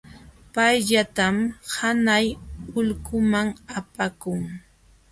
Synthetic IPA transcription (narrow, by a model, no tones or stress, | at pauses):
pajʎat̪amhanajʊʎkʊmaŋapakʊŋ